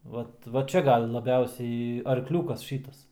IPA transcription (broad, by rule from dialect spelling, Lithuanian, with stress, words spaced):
ˈʋɐt ʋɐ ˈt͡ʃʲɛ ˈɡɐlˠ lˠɐˈbʲɛʊsʲɛɪ ɐrkˈlʲuːkɐs ˈʃʲiːtɐs